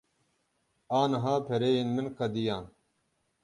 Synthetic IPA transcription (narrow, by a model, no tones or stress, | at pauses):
aːnɦaːpʰeɾeːjinminkʰɐd̪ijãː